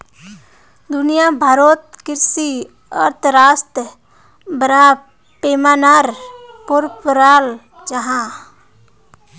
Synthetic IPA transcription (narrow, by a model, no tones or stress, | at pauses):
d̪ʊnijabʱaːɾoːt̪̚kɪɾsi | əɾt̪ʰɾaːst̪ə | bɾa | peːmaːnaɾpoɾpɾaːl | d͡ʒəɦã